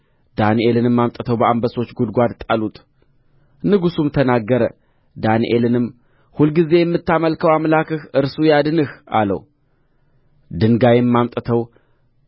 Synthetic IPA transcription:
d̪̥aniʔe̞lɨnɨmːamt̪ʼət̪ʰəwbəambəso̞t͡ʃːɡud̪̚ɡʷad̪t̪ʼalut̪ʼ | nɨɡusumt̪ʰənaɡːəɾə | d̪aniʔelɨnɨm | hulɡize̞jɛmːɨt̪ːaməlkʰəwamlakɨhɨɾsujad̪ɨnɨhʔa̰lə̰w | d̪ɨŋɡajɛmːamt̪ʼət̪ʰəw

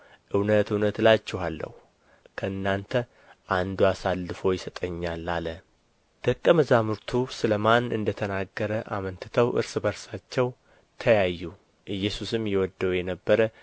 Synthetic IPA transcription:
ʔɨwnət̪ɨwnət̪lat͡ʃːɛɦalːə̰hu | kʰəɨnːant̪ʰə | ʔand̪uasalːɨfo̞jɪsət̪ʼəɲːalːalə | d̪̥ʰəkʼːəməzamɨɾt̪ʰusɨləmanɨ̰nd̪ət̪ʰənaɡːəɾəʔa̰mənt̪ʰɨt̪ʰəwʔɨ̰ɾsɨbəɾsat͡ʃːɛw | t̪ʰəjajːu | ʔɨjːɛsusɨmjɛwɔd̪ːəwjɛnəbːəɾə

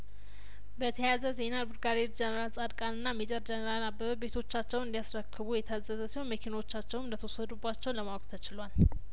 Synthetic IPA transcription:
bət̪ʰəjazəze̞nalbɨɾɡaɾiɾd͡ʒɛnəɾalsʼad̪kʼanɨnːamid͡ʒʼəɾd͡ʒɛnəɾalnabːəβəbe̞t̪ʰo̞t͡ʃːat͡ʃːɛwɨnd̪iasɾəkʰːɨβujɛt̪ʰəzəzəsiho̞nməkʰinawot͡ʃːat͡ʃːɛwnɨnd̪ət̪ʰəosəd̪ubːat͡ʃːɛwnləmawɔkʼt̪ʰət͡ʃɪlwal

